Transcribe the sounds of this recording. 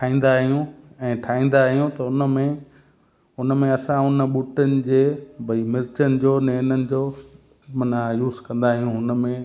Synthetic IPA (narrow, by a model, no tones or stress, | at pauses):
ʈʰaːĩːn̆d̪aːɦijũɛ̃ːʈʰaːĩːn̆d̪aːɦijũt̪ɐʊnəmẽ | ʊnəmẽɐsãʊnɓuːʈənɪ̆d͡ʑeːbʱɐimɪɾt͡ɕənɪ̆d͡ʑoːneːnənɪ̆d͡ʑoː | mɐnajuːzkɐ̃nd̪aːɦijũɦʊnəmẽ